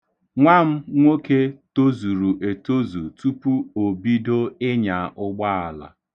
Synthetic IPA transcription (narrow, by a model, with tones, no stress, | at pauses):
ŋʷa˦m̩˦ŋʷo˦ke˦to˦zu˨ɾu˨ʔe˨to˦zu˨tu˦pu˦o˨bi˦do˦ɪ˦ɲa˨ʔʊ˦ɡ͡ba˦a˨la̰˨